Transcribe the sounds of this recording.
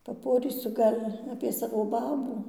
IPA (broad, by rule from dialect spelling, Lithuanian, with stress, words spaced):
pɐˈpoːrʲiːsʊ ˈɡɐlʲ ɐpʲiɛ ˈsɑːʋoː ˈbɑːbuː